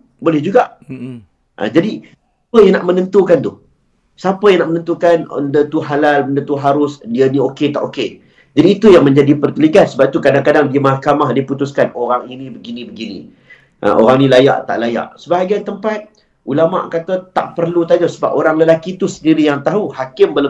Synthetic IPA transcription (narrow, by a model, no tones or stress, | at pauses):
bolɛhd͡ʒuɡaʔ | ʔə̰d͡ʒadisapəjaŋna̰ʔmənə̃nt̪ukant̪u | sapəjaŋnaʔmənə̃nt̪ukanə̰ndət̪uɦalaləndət̪uɦaɾʊsdiənĩoket̪a̰ʔoke | d͡ʒadiːt̪ujaŋmə̃ɲd͡ʒadipərk̪əliɡat̪səbap̚it̪ukadaŋkadaŋdiəmahkamahdiput̪uskanoɾaŋinĩbəɡinĩbəɡinḭ̃ | ʔə̰ʔo̰ɾaŋnĩlaja̰ʔt̪a̰ʔlaja̰ʔsəbaɦaɡant̪əmpat̪̚ | ʔulama̰ʔkat̪ət̪a̰ʔpərlut̪ad͡ʒasəba̰poɾaŋləlakit̪usəndiɾijaŋt̪aɦuhakɪmbələ